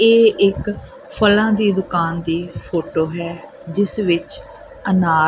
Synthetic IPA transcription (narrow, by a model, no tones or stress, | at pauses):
eːɪk | pʰəlãːd̪iːd̪ʊkaːnd̪iːpʰoːʈoːɦɛː | d͡ʒɪsʋɪt͡ʃ | ənaː